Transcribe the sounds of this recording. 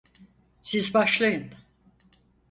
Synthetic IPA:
sizbaʃlˠajɯn

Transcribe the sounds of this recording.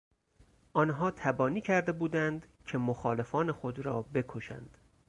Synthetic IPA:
ʔɒːnɦɒːt̪ʰæbɒːniːcʰæɾd̪e̞buːd̪ænd̪cʰe̞moxɒːle̞fɒːne̞xod̪ɾɒːbe̞kʰoʃæ̰nd̪̥

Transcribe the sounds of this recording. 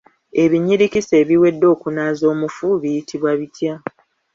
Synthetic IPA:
e̞βiɲiɾikise̞ːβiwe̞dːo̞ːkunaːzo̞ːmufuβijitʰiβwaβitʰja

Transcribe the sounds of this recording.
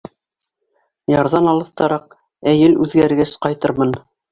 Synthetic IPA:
jɑɾðɑnɑlˠɤ̆θt̪ɑɾɑq̚ | æjɘlʉðɡæɾɡæsqɑjt̪ɤɾmɤn

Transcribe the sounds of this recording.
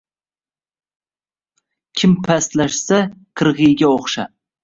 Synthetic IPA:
kʲʰɪmpʰast̪laʃsaqʰɨɾʁɨjɡʲaoχʃa

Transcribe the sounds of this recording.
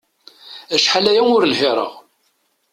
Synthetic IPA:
æʃħalæjæʊɾlhɪɾˤə̰ʁ

